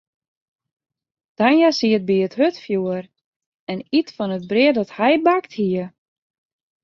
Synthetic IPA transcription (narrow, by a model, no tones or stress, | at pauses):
d̥anjasiət̚biəthøtfjuər | ɛnitfɔnəd̚brɪədɔthɛjbakthiə